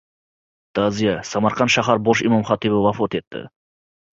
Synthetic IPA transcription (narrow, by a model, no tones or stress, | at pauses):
t̪ʰɑzijasɑmɑɾqɑnʃaɦɑɾboʃimomχɑt̪ibəvɑfot̪et̪ːɪ̰